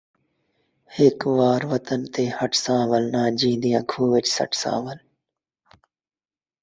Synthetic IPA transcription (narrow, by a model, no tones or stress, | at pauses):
hɪkʋaːɾʋət̪ənt̪eːhəʈʰsãːʋəlnãːd͡ʒĩːnd̪ijãːkʰuːʋɪt͡ʃsə̰ʈʰsã̰ːʋəl